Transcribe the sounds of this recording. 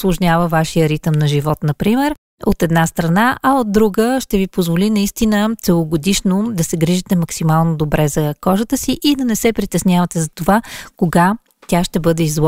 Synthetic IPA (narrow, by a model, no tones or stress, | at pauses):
slˠoʒnʲavəvaʃijəɾit̪əmnɐʒivɔt̪nɐpɾimɛɾ | ot̪ɛd̪nast̪ɾɐnaʔɐod̪̚d̪ːɾuɡəʃt̪ɛvipozvolinɐist̪inət̪sɛlˠoɡod̪iʃnod̪ɐsɛɡɾiʒit̪ɛmɐksimalˠnod̪obɾɛzɐkɔʒət̪əsiʔid̪ɐnɛsɛpɾit̪ɛsnʲjavət̪ɛzɐt̪ovakoɡa | t̪ʲjaʃt̪ɛbɤd̪ɛizlˠɔ